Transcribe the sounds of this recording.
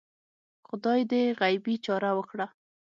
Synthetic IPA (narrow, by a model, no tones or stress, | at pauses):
xʊd̪ɑjd̪eɣajbit͡ʃɑɾawəkɽa